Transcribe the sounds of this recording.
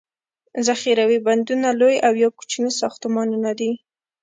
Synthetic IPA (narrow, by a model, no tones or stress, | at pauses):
zaxiɾawiband̪unalojawjɑku̥t͡ʃnisɑxt̪ʊmɑnunad̪i